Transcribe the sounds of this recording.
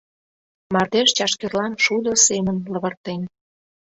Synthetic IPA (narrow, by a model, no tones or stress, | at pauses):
mɑrd̪eʃt͡ɕɑʃkerlɑnʃud̪ə̆semənlə̆βə̆rt̪en